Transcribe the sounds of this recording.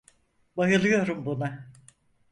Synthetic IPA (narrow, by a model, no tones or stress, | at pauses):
bajɯlˠɯjo̞ɾumbuna